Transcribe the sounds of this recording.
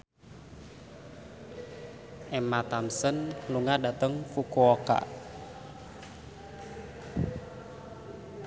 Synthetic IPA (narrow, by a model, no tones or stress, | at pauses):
ʔɛmat̪amsənluŋadat̪əŋfukuɔka̰